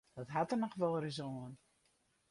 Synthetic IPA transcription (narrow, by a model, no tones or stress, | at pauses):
d̥ɔtɦatərnɔxʋɔlˠrizoən